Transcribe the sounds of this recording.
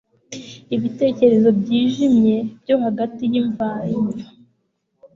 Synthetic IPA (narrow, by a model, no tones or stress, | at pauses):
iβite̞ːce̞ɾe̞zo̞bɟiːʒimɲe̞b̥jo̞haɡatijiɱvaɾimva